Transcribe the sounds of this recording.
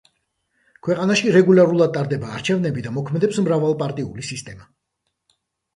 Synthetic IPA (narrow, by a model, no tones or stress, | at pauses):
kʰwɛqʼanaʃiɾɛɡulˠaɾulˠad̪̚t̪ʼaɾd̪ɛbaːɾt͡ʃʰɛvnɛbid̪amɔkʰmɛd̪ɛpsmɾavalˠpʼaɾt̪ʼiulisist̪ʼɛma